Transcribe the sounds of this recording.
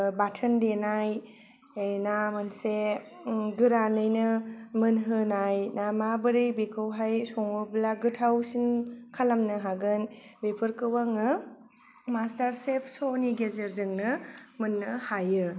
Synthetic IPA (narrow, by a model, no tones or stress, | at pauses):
batʰɯndenajː | jnamɯnse | ɡɯɾanɯjnɯmɯnɦɯnajnamabɯɾɯjbekʰɯwɦajsɔŋoblaɡɯtʰawsinkʰalamnɯɦaɡɯnbepʰɯɾkɯwaŋɯ | mastaɾsepʰsoniɡezeɾzɯŋnɯmɯnːɯhajɯ